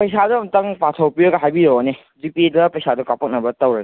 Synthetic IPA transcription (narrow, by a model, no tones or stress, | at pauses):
pɐjsadɐmtɐŋpatʰɐwpiɾɐɡɐɦajbiɾowane | d͡ʒipiedɐpɐjsadɐkapɐk̚nɐbɐtɐwɾɐɡe